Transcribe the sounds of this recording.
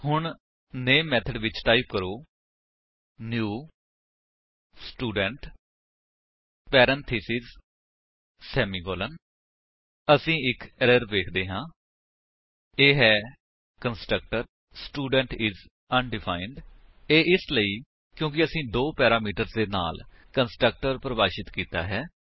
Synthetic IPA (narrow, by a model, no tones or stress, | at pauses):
hʊɳ | neːmːɛːt̪ʰəɖʋɪt͡ʃʈaːipkəɾoː | njuː | sʈuːɖəɳʈ | pɛːɾə̃nt̪ʰiːsiz | sɛːmiːɡɔːlən | əsĩːɪkəɾəɾʋeːkʰd̪eːɦãː | eːɦɛː | kənsʈɾək̚ʈəɾ | sʈuːɖəɳʈɪz | ənɖɪfʰaːɪɳɖeːʔɪsləiː | kjõːk̬ɪəsĩːd̪oːpɛːɾaːmiːʈəɾzd̪eːna̰ːl | kənsʈɾək̚ʈəɾpɾəbaːʃɪt̪kiːt̪a̰ːɦɛː